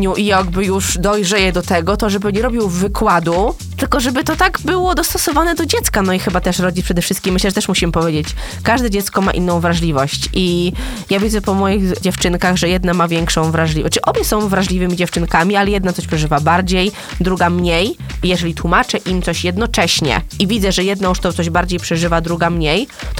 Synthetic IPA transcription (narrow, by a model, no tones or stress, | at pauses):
ɲuʔijaɡbɘjuʂd̪ɔjʐɛjɛd̪ɔt̪ɛɡɔt̪ɔʐɛbɘɲɛɾɔbʲiwvɘkwad̪u | t̪ɘlkɔʐɛbɘt̪ɔt̪aɡbɘwɔd̪ɔst̪ɔsɔvanɛd̪ɔd͡ʑɛt̪skanɔixɘbat̪ɛʂɾɔd͡ʑipʂɛd̪ɛfʂɘst̪̚kʲimːɘɕlɛʐɛt̪ɛʂmuɕimɘpɔvʲjed͡ʑet͡ɕ | kaʐd̪ɛd͡ʑɛt̪skɔma̰ʔḭnːɔ̃w̃vɾaʐlʲivɔɕt͡ɕʔijavʲjed̪zɛpɔmɔjiɣd͡ʑɛft͡ʂɘŋkaɣʐɛjɛd̪̚namavʲjɛŋkʂɔ̃w̃vɾaʐlʲiɘʔɔbʲjɛsɔ̃w̃vɾaʐlʲivɘmʲid͡ʑɛft͡ʂɘnkamʲialɛjɛd̪nat̪ɔɕpʂɛʐɘvabaɾd͡ʑej | d̪ɾuɡamɲej | ijɛʐɛlʲit̪wumat͡ʂɛʔimt̪sɔɕjɛd̪nɔt͡ʂɛɕɲɛ̰ivʲidzɛʐɛjɛd̪̚najuʂt̪ɔt̪ɔɕbaɾd͡ʑejpʂɛʐɘvad̪ɾuɡamɲejt̪